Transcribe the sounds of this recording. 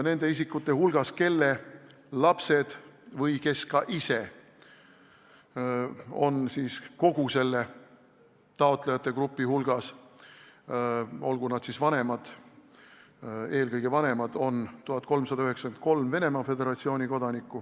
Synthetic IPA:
ne̞nd̪̥e̞is̬ikːˑut̪ːˑe̞hulɡ̥ɑske̞lːe | lɑpse̞d̪̥vɤjke̞skɑʔise̞ | o̞nsiːsko̞ɡ̥use̞lːe̞ | t̪ɑo̞t̪ˑlejɑt̪ːˑe̞krupːˑihulɡ̥ɑs | o̞lɡ̥unɑd̪̥sisvɑne̞mɑd̪̥ | e̞ːlkɤjɡ̥e̞vɑne̞mɑd̪̥o̞nt̪uɦɑt̪̚ːˑko̞lmsɑd̪ɑyɦe̞ksɑkent̪̚ko̞lmve̞ne̞mɑfe̞d̪e̞ɾɑt̪sio̞ːnʲiko̞d̪̥ɑnikːˑu

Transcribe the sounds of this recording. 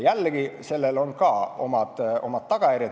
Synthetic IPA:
jælːɡ̥ise̞lːelo̞nkɑːo̞̰mɑd̪̥ʔo̞̰mɑd̪̥̚t̪ːɑɡ̥ɑjærʲjɑ

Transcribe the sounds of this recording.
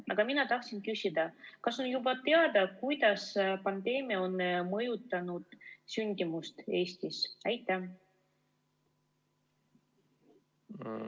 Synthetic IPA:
ɑɡ̥ɑminɑt̪ɑht̪sinkysʲid̪̥ɑkɑsonjubɑt̪e̞ɑd̪ɑkujd̪̥ɑspɑnd̪e̞ːmiɑo̞nmɤjut̪ːˑɑnud̪̥synʲd̪imust̪e̞ːst̪isæjt̪ːˑæ

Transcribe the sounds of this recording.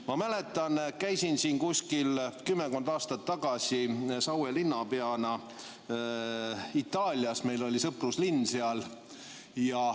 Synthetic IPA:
mɑmæle̞t̪ːˑɑnkæjsinsiːnkusʲkilkymːeko̞nd̪ɑːst̪ɑt̪ːɑɡ̥ɑsʲisɑwelinːɑpeɑnɑ | it̪ːˑɑːlʲjɑsme̞jlo̞lʲisɤpruslinːseɑl | jɑ

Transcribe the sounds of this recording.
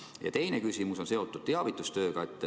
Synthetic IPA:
jɑ̰t̪e̞jne̞kysimuso̞nse̞o̞t̪ːˑud̥̚t̪e̞ɑvit̪ːˑust̪ø̞ːɡ̥ɑe̞t̪ːˑ

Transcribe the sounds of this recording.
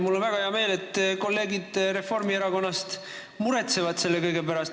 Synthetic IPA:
mulːo̞nvæɡ̥ɑheɑme̞ːle̞t̪ːˑko̞lːe̞ːɡid̪̥ɾe̞fo̞rmieɾɑko̞nːɑst̪ | muɾet̪se̞vɑd̪̥se̞lːe̞kɤjɡe̞pæɾɑst̪

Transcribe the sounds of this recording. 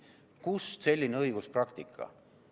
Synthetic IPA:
kusse̞lʲːineɤjɡ̥usprɑkt̪ikʰːˑɑ̰

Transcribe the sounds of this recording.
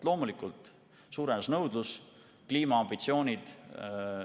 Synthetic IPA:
lo̞ːmulikːˑult̪ | suːɾenɑsnɤwd̪lus | kliːmɑɑmb̥it̪sio̞ːnʲid̪̥

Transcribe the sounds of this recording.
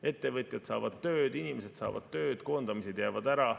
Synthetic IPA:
e̞t̪ːe̞vɤt̪ʲˑjɑd̪sɑ̰ːvɑd̪̥t̪ø̞ːd̪̥inimese̞d̪̥sɑ̰ːvɑ̰d̪t̪ø̞ːd̪̥ko̞ːnd̪̥ɑmised̪̥jæːvɑd̪æɾɑ

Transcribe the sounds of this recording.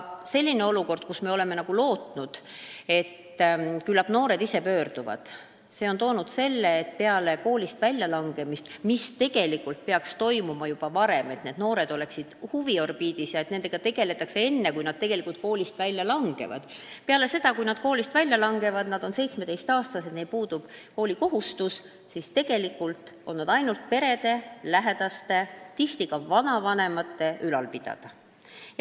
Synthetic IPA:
se̞lʲːine̞o̞luko̞rd̪̥̚kusme̞o̞le̞me̞nɑɡ̥ulo̞ːt̪nud̪̥e̞t̪ːkylːɑpno̞ːɾe̞d̪ise̞pø̞ːrd̪̥uvɑ̰d̪̥ | se̞o̞nt̪o̞ːnud̪̥se̞lːe̞ːt̪ːˑpe̞ɑle̞ko̞ːlʲist̪vælʲjɑlɑŋɡ̥e̞mist̪mist̪e̞ɡ̥e̞likult̪̚peɑkst̪o̞jmumɑjub̥ɑvɑɾe̞me̞t̪ne̞d̪no̞ːɾe̞d̪o̞le̞ksid̪̥huvio̞rb̥iːd̪isjɑe̞t̪ne̞nd̪e̞ɡ̥ɑt̪e̞ɡ̥e̞le̞t̪ːˑɑksee̞nːe̞kujnɑd̪̥̚t̪e̞ɡ̥e̞likult̪̚koːlʲist̪vælʲjɑlɑŋɡ̥e̞̰vɑ̰d̪̥peɑle̞se̞d̪̥ɑkujnɑd̪̥̚ko̞ːlʲist̪vælʲjɑlɑŋɡe̞vɑd̪̥nɑd̪̥o̞nse̞jt̪sme̞t̪e̞jst̪ɑːst̪ɑsed̪nepuːd̪̥ub̥ko̞ːlʲiko̞ɦust̪us | sist̪e̞ɡ̥e̞likːˑult̪o̞nːɑd̪ɑjnult̪̚pe̞ɾe̞d̪̥e̞læɦe̞d̪̥ɑst̪e̞t̪iht̪iɡɑvɑnɑvɑne̞mɑt̪ːe̞ʔylɑlpid̪̥ɑ̰d̪̥ɑ

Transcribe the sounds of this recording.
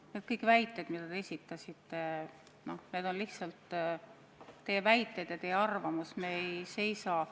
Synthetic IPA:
neːd̪̚kɯjkvæjt̪ːˑe̞d̪̥mid̪̥ɑd̪e̞esʲit̪ːˑɑsʲit̪ːˑe̞ | no̞hne̞ːd̪o̞nlihtsɑlt̪ː | t̪e̞jevæjt̪ːˑe̞jd̪jɑt̪e̞jeɑrvɑmusme̞ejse̞jsɑ

